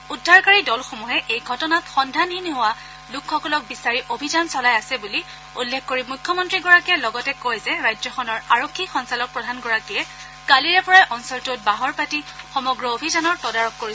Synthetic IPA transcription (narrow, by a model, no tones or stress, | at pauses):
udʱːaɹkaɹidɔlxomuɦɛʔejɡʱɔtɔnatxɔndʱanɦinɦowa | lʊkʰxɔkɔlɔk̚bisaɹiʔobʱizansɔlajasɛbuli | ṵlːekʰkoɹimujkʰːɔmɔntɹiɡɔɹakijalɔɡɔtɛkojzɛɹajzɔxɔnɔɹaɹokʰːixɔnsalɔk̚pɹɔdʱanɡɔɹakijɛ | ɡ̥aliɹɛpɔɹajʔɔnsɔltʊt̚baɦɔɹpatixɔmɔɡɹɔobʱizanɔɹtɔdaɹɔkːoɹi